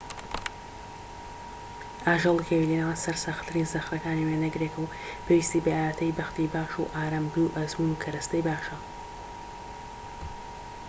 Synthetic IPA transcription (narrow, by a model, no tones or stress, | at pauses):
ʔaːʒɐlˠkʰewilenawnsɐɾsaxt̪ʰɨɾiːnzɐxɾɐkaːniweːnɐɡɾeːkʰɐw | pʰeːwiːst̪iːbɐjaːjaːt̪ʰɐjbɐxt̪ibaːʃṵʔaːɾɐmbuwʔɐzmunukʰɐɾɐst̪ɐjbaːʃɐ